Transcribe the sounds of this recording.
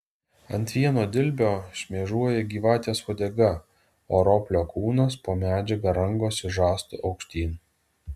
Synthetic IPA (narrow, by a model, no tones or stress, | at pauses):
ɐnʲt̪ʲʋʲiɛnoːd̪ʲɪlʲbʲoːʃʲmʲiɛʒuɔjɛɡʲiːʋɑːt̪ʲeːsʋɔd̪ʲɛɡɐ | oːɾoːpʲlʲoːkuːnɐspoːmʲæːd͡ʒʲɛɡɐɾɐŋɡoːsɪʒɑːst̪ʊ̰ʔɒʊkʃʲt̪ʲiːn